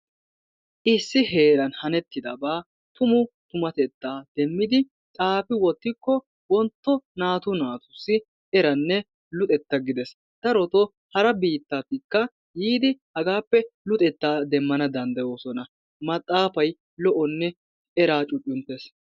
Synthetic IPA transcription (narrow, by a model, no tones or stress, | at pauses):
ʔɪsːɪhe̞ːɾɐnhɐnɛt̪ːɪd̪ɐ̰baː | t̪ʊmʊt̪ʊmɐt̪ɛt̪ːaːd̪̥ɛmːɪd̪ɪ | t͡sʼaːfɪwɔt̪ːɪkːɔ | wɔnt̪ːɔnaːt̪ʊnaːt̪ʊ̥sːɪ | ɛɾɐnːɛ | lʊt̪ʼɛt̪ːɐɡɪd̪ɛs | d̪̥ɐɾɔt̪ɔ | hɐɾɐbiːt̪ːat̪ɪkːɐ | jiːd̪ɪhɐɡaːpːɛlʊt̪ʼɛt̪ːaːd̪ɛmːɐnɐd̪ɐnd̪ɐjoːsɔnɐ | mɐt̪ʼːaːfɐj | lɔʔɔnːɛ | ɛɾaːt͡ʃʼʊt͡ʃʼːʊnt̪ːes